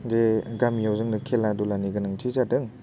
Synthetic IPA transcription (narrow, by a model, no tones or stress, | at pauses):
zeɡamijawzɯŋnɯkʰeladulaniɡɯnɯŋtʰizadɯŋ